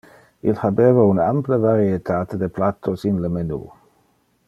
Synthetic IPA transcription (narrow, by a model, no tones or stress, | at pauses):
ilhabeːvaunampləvaɾiet̪ʰaːt̪ed̪eplat̪ʰːosinləmenṵː